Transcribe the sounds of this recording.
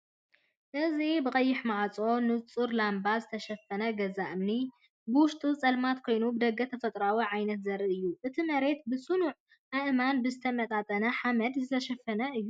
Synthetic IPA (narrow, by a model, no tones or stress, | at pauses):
ʔɨzibɨkʼɐjːɪħmaʕat͡sʼo̞nɨt͡sʼuɾlambazɨt̪ʰɐʃɐfːɐnɐɡɐzaʔɨmni | bɨwʊʃt̪ʼut͡sʼɐlmat̪kʰo̞jnubɨd̪ɐɡːɐt̪ʰɐfɐt̪ʼɾawiʕajnɐt̪zɐɾɨɨjːuʔɨt̪ʰimɐɾe̞t̪̚bɨsʼunuʕ | ʔaʔɨmanbɨzɨt̪ʰɐmɐt̪ʼat̪ʼɐnɐħamɐd̪zɨt̪ʰɐʃɐfːɐnɐʔɨjːu